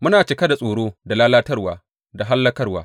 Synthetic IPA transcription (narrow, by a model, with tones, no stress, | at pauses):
mʊ˦naː˨t͡ʃɪ˦kɐ˦da˨sʼoː˨ɽoː˦da˨laː˦laː˦tɐ˦rwaː˨ | da˨ɦa˦lːɐ˦kɐ˦rwaː˦